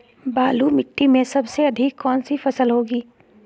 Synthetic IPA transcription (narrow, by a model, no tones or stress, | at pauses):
baːlumɪʈːimẽsɐbseɐd̪ʱɪkːɔːnsifɐsəlɦoːɡiː